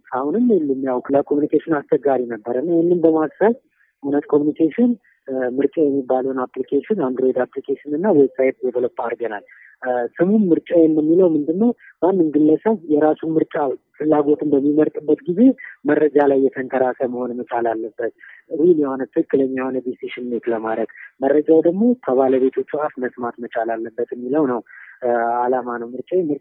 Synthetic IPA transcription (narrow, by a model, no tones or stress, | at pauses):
ahunɨmːelːɨmjawkləkʰo̞munikʰeʃɪnast͡ʃɛɡaɾinəbːəɾəɨnːajehnːɨnbəmassaj | ʔunət̪kʰo̞munikʰeʃɪn | mɨɾt͡ʃʼajɛmːibːaləwnaplikʰeʃɪnand̪ɾo̞jd̪aplikʰeʃɪnɨnːawɔsajt̪jɛt̪ʰələpʼːaɾɡənal | sɨmummɨɾt͡ʃʼajɛnːəmːiləwmɨnd̪ɨnːəw | banːɨnɡɨlːəsəβjɛɾasumɨɾt͡ʃʼa | fɨlːaɡo̞t̪ʰɨmbəmːiməɾt̪ʼɨbːət̪ɡize̞mərːəd͡ʒalajːɛt̪ʰənt̪ʰəɾasəməho̞nmət͡ʃʼalalːəbːət̪wiljɛhonət̪ʰɨlkʼːɨləmːiho̞nəd̪eseʃɪnmet̪ləmaɾəɡmərːəd͡ʒawd̪əɡmo̞t̪ʰəβaləβe̞t̪ʰo̞t͡ʃːuafməsmat̪mət͡ʃʼalalːəbːət̪jɛmːiləwnəw | alamanəwmɨɾt͡ʃʼawmɨ